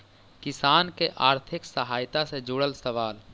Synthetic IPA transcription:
kɪsaːnkeʔaːɾt̪ʰɪksəɦaːjt̪ased͡ʒuːɽəlsəʋaːl

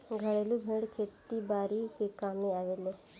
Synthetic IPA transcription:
ɡʱəɽeːlũːbʱeːɽkʰeːt̪ːiːbaːɾiːkeːkaːmeːaːʋeːleː

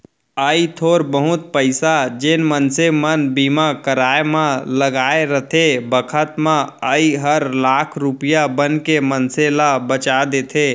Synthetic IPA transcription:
əit̪ʰoɾbəɦut̪̚pəɪsad͡ʒenmənsemənbimakəɾaemãləɡaeɾət̪ʰebəkʰət̪mãəiɦəɾlakʰɾupijabənkemənselabət͡ʃad̪et̪ʰe

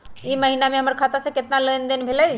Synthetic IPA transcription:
iməɦinamẽɦəməɾkʰat̪asẽket̪naləjnd̪enbʱeləj

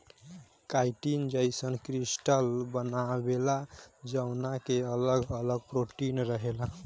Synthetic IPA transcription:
kajʈind͡ʒəjsənkɾisʈəlbənabelad͡ʒəwnakeələɡələɡ̚pɾoʈinɾəɦela

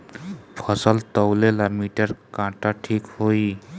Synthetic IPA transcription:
pʰʌsəlt̪əwlelamiʈəɾkãʈaʈʰikhoi

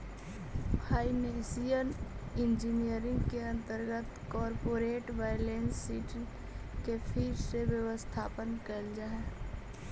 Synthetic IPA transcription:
haːineːsijənɪ̃nd͡ʒiːnijəɾɪ̃ŋɡkeɐ̃nt̪əɾɡət̪kɔːɾpoːɾeːʈʋaːjlẽːnsːiːʈ | kepʰiːɾseʋjəʋəst̪ʰaːpənkəld͡ʒaːɦɛ

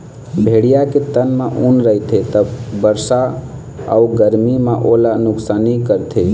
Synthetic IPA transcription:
bʱeɽijaket̪ənmeʔunɾəit̪ʰet̪əbbəɾsa | a̰uɡəɾmimeʔolanʊksanikəɾt̪ʰe

